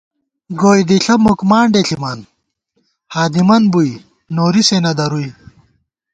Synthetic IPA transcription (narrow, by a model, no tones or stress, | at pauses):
ɡoːjd̪iɬɐmukmaːɳɖeɬiman | haːd̪imɐnbuj | noːɾisenɐd̪ɐɾuj